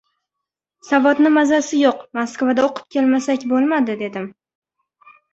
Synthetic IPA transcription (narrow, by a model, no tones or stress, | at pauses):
savɒt̪nɪmazasɪjoqmaskvad̪aoqʰɨ̥p̚kʲe̞lmasakʲbolˠmad̪ɪd̪e̞d̪ɪm